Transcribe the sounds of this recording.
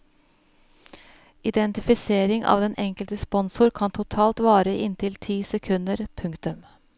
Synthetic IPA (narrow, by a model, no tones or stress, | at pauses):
ʔɪd̪ɛnt̪ɪfɪseːɾɪŋʔɑ̰ːʋd̪ɛnʔɛŋkəlt̪əspɔnsʊɾkʰɑnt̪ʰʊt̪ʰɑːlt̪ʋɑːɾəʔɪnt̪ʰɪlt̪ʰiːsɛkʰʉnd̪əɾpʰʉŋkt̪ʉm